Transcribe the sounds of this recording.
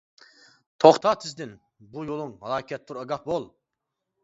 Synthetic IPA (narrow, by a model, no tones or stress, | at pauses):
t̪ʰoχt̪ʰɑt̪ʰɪzd̪ɪn | bujolˠuŋhɑlˠɑːkʲʰɛt̪ʰːuɾɑɡɑfbolˠ